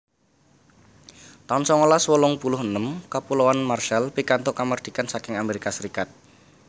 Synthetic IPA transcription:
t̪aʊnsɔŋolaswəlɔŋpulʊɦənəmkapulowanmarʃɛlpikant̪ʊʔkamərd̪̥i̤kansakɪŋameɾikasəɾikat̪̚

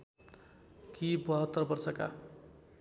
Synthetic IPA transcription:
kibʌɦʌt̪ːʌrbʌrsʌka̰

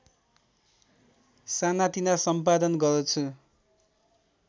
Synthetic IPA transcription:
sanat̪inasʌmpad̪ʌnɡʌɾt͡sʰu

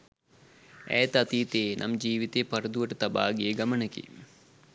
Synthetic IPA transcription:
ɛ̰ːt̪ɐt̪iːt̪eːnʔɐ̰md͡ʒiːʋit̪eːpɐɾɐd̪uʋɐʈɐt̪ɐba̰ːɡeːɡɐmɐɳɐkḭ

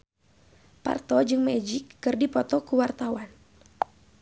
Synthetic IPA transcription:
pa̰rt̪ɔd͡ʒɨŋmɛd͡ʒikːɨrdipɔt̪ɔkuwart̪awan

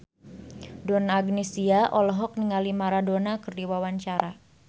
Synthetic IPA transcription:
donaːɡnesiaʔɔlɔɦɔk̚niŋalimaɾadonakɨrdiwawaɲt͡ʃaɾa

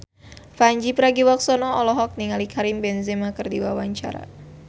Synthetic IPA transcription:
faɲd͡ʒipəɾaɡiwɔk̚sɔnɔɔlɔɦɔk̚niŋalikʰaɾimbɛnzemakərdiwawaɲt͡ʃa̰ɾa̰

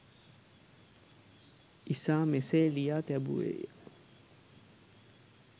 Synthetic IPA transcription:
isaːmeselijat̪ɛbṵḛja

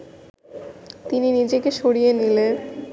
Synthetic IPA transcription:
t̪ininid͡ʑekeʃoɽijenilen

